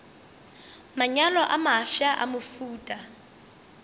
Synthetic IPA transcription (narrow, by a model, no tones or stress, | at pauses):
maɲalɔʔamaʃaʔamʊfuːtʼa